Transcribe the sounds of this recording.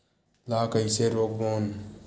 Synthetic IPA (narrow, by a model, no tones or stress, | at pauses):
laːkɐjseɾok̚boːn